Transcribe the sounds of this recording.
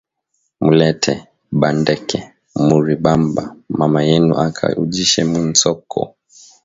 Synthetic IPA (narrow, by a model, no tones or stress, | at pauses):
mulɛtʰɛ | ɓandɛkʰɛ | muɾiɓambamamajɛnuʔakʰa̰ud͡ʒiʃɛmun̩sɔkʰɔ̰